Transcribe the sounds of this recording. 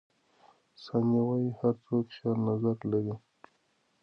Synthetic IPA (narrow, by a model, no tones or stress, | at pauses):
sɑnawajihaɾt͡sokʃɑɾnazaɾlaɾi